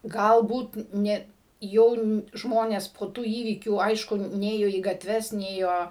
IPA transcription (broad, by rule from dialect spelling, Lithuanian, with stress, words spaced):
ˈɡɐlˠbuːt ˈnʲɛ ˈjɛʊ n ˈʒmoːnʲɛs poː ˈtuː ˈiːʋʲiːkʲuː ˈɐɪʃkʊ ˈnʲeːjoː iː ɡɐtʲˈʋʲɛs ˈnʲeːjoː